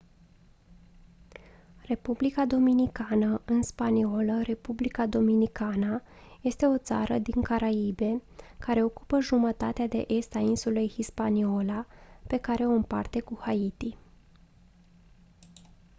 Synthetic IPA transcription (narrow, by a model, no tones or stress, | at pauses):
re̞publikad̪o̞minikanəɨnspanio̞ləɾe̞publikad̪o̞minikanə | je̞st̪e̞o̞t̪sa̰ɾəd̪iŋkaɾaibe̞kaɾe̞o̞ku̥pəʒumət̪at̪ead̪e̞̰ʔe̞st̪ainsulejhispanio̞lape̞kaɾe̞o̞ɨmpa̰rt̪e̞kuhait̪i